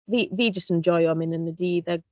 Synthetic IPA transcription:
ðiðid͡ʒəstɛ̃nd͡ʒɔjɔmɪ̃nə̃nədiːðəɡ

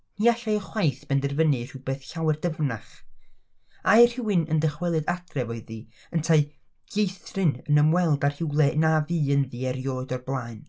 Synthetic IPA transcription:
niaɬajəχwajθb̥ɛndɛrvənɨr̥ɪwbeːθɬawɛrdəvnaχ | ajr̥hɪwɨnəndəχwɛlˠɨdatʰrɛvoɨði | əntʰaɨ | ɡ̥ejθrɨnənəmwɛlˠdar̥hɪwlˠɛnaviːənðiɛɾjoːɨdɔrblˠaːɨn

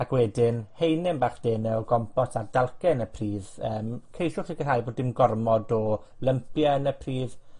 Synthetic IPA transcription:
akʰwɛdɪnhejnɪmbaːχd̥eːnɛɔɡɔmpɔsard̥alˠkɛnəpʰriːðəːmkʰejʃʊχiɡərhajboːdɪmɡɔrmɔdɔ | ləmpʰjənəpʰriːð̥

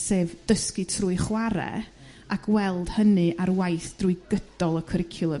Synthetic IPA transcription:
seːvd̥əskɨtʰruːɨχwaɾɛ̰ | akʰwɛlˠd̥hənɨʔaɾwajθd̥rujɡəd̥ɔlˠəkʰəɾɪkʰjʊlˠə

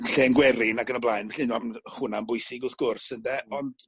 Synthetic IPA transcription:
ɬeːənɡwɛɾɪnaɡənəblˠajnvɛɬɪnamhʊnambʊɨsɪɡʊθɡ̥ʊrsəndɛɔnd̥

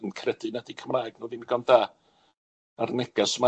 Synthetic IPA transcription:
nkʰrɛdɨnɛdikʰəmaːɡnuːvinɡɔndaː | arnɛɡ̥asma

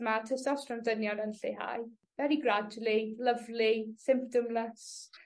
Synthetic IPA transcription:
matʰəstɔsrəmdənjɔnənɬiɦa̰j | vɛɾiɡrad͡ʒlˠiləvlisɪmp̚tɔmləs

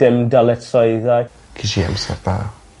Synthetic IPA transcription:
d̥ɪmdalɛtʰɔɨðaj | kʰiʃia̰msɛ̰ɾða̰ː

